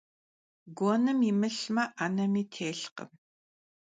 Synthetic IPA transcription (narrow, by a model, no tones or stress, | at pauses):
ɡʷoːnɨmimɨɬmɐʔanɐmiːtʰeːɬqə̰m